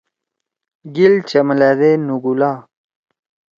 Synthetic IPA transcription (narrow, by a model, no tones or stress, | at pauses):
ɡilt͡ɕɐmlad̪enuɡulaː